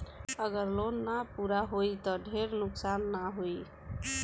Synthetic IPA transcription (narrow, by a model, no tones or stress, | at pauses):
əɡəɾlonːapuɾaɦoit̪ɔɖʱeɾnʊksanːaɦoi